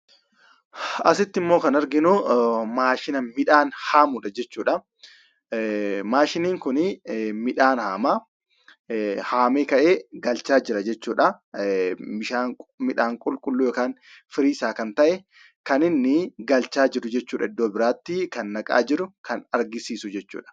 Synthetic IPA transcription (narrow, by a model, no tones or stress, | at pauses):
ɐsɪt̪ːɪmːo̞ːkɐnɐɾɡɪnʊmaːʃɪnɐmɪᶑaːnhaːmʊᶑɐd͡ʒɛt͡ʃːuːᶑɐ | maːʃɪniːŋkʊnɪmɪᶑaːnhaːmaː | haːmeːkɐʔeːɡɐlt͡ʃaːd͡ʒɪɾɐd͡ʒɛt͡ʃːuːᶑɐ | ɪʃaːmɪᶑaːŋkʼʊlkʼʊlːuːjɔkaːn | fɪɾiːsaːkɐnt̪ɐʔɛ | kɐnɪnːɪɡɐlt͡ʃaːd͡ʒɪɾʊd͡ʒɛt͡ʃːuːᶑɐɪd̪ːoːbɪɾaːt̪ːikɐnːɐkʼa̰ːd͡ʒɪɾʊkɐnɐɾɡɪsiːsʊd͡ʒɛt͡ʃːṵːᶑɐ̥